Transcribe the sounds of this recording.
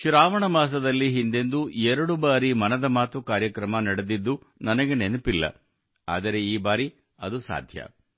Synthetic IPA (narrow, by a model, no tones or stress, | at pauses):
ʃuɾaːʋɐɳɐmaːs̬ɐd̪ɐlːiɦind̪e̞nd̪uɛɾɐɽubaːɾimɐnɐd̪ɐmaːt̪ukaːɾjɐkɾɐmɐnɐɽed̪id̪ːu | nɐnɐɡe̞nenupilːɐ̰ | a̰ːd̪ɐɾe̞iːbaːɾi | ɐd̪usa̰ːd̪ʱjɐ̰